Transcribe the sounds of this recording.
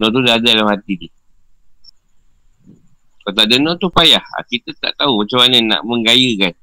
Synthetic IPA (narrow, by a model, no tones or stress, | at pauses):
nɔt̪̬udaadadalamhat̪idi | kat̪̬aʔdənɔt̪upajaha̰kit̪at̪a̰ʔt̪aumat͡ʃamaɲəna̰ʔməŋɡajəkan